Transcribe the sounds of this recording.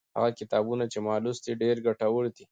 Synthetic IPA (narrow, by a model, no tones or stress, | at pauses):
ha̰ɣakɪt̪ɑbunat͡ʃemalusd̪iɖeɾɡaʈawəɽd̪i